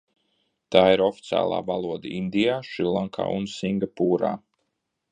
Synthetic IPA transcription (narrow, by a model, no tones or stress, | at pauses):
t̪aːiɾɔfi̥t̪sʲa̰ːlˠa̰ːvalˠuɔd̪aind̪ijaːʃilˠaŋkʰa̰ːunsiŋɡapuːɾa̰ː